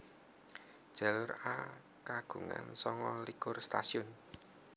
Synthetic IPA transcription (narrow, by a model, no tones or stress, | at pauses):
d̥ʒ̥a̤lʊra | kaɡ̥ṳŋa̰nsɔŋɔlikʊrst̪asiʊn